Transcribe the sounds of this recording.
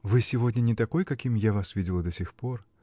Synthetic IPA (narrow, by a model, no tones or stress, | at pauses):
vɨsʲivɔdʲnʲɐnʲɛt̪akɔjkakʲimjavasvʲid͡zʲɪlˠɐd̪ɐsʲixpɔr